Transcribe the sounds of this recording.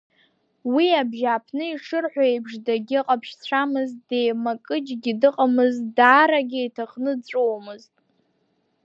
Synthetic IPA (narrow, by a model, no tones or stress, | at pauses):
wiabʒapʰnɨiʂʰɨrħʷᶣaejbʐdaɡʲɪqʼapʰʃt͡ɕʷʰamɨzdejmakʼɨd͡ʒɡʲidɨqʼamɨzdaːɾaɡʲɪitʰaχnɨt͡ɕʷʼowmɨztʼ